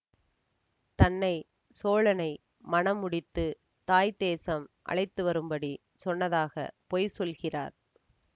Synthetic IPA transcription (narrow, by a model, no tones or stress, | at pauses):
t̪ɐnːɐɪ | soːɭɐnɐɪ | mɐnɐmːʊɽɪt̪ːɯ | t̪aːjd̪eːsɐmʔɐ̰ɭɐɪt̪ːɯʋɐɾɯmbɐɽi | sɔnːɐðaːɣɐ̰poːjsɔlɣɪra̰ːɾ